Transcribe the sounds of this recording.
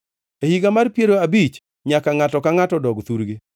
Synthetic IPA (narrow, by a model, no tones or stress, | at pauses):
ehiɡamarpjeɾoabit͡ʃ | ɲakaŋatɔkaŋatɔdɔɡt̪uɾɡe